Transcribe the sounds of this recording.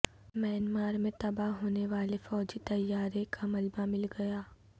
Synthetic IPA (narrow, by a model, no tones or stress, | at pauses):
mɛːnmaːɾmẽt̪ɐbaɦɦoːneʋaːlefɔːd͡ʒit̪ɐjːaːɾekamɐlbamɪlɡɐjaː